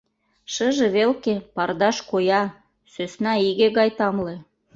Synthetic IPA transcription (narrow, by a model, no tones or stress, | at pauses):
ʃəʒĕβelkepɑrd̪ɑʃkojɑ | søsnɑiɣeɣɑjt̪ɑmle